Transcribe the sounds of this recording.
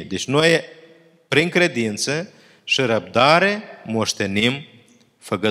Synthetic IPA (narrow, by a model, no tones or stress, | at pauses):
d̪et͡ʃnoj | pɾiŋkɾe̞d̪int̪sə | ʃiɾəb̚d̪aɾe̞mo̞ʃt̪e̞nim | fəɡə